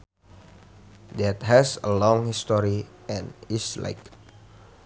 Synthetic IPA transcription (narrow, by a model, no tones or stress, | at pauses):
dɛt̪̚ɦɛsə̰lɔ̃ŋhist̪ɔɾi | ɛ̃nisla̰ɪk